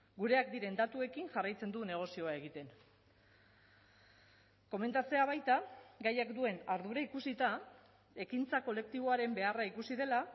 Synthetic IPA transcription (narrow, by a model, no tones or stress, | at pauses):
ɡuɾe̞akd̪iɾe̞nd̪at̪ue̞kinʝarajt͡se̞nd̪une̞ɣ̞o̞sio̞ae̞ɣ̞it̪e̞n | ko̞me̞nt̪at͡se̞aβ̞ajt̪aɡajakd̪ue̞naɾðuɾaikusit̪a | e̞kint͡sako̞le̞k̚t̪iβ̞o̞aɾe̞mbe̞araikusið̞e̞la